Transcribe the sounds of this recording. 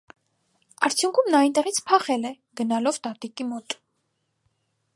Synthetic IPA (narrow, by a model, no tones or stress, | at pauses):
ɑɾt͡sʰjuŋkʰumnɑint̪ɛʁit͡sʰpʰɑχɛlɛ | ɡ̥ənɑlɔvt̪ɑt̪ikimɔt̪